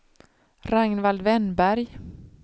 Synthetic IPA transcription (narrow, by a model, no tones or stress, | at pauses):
ɾaŋnvald̪vɛnbæɾj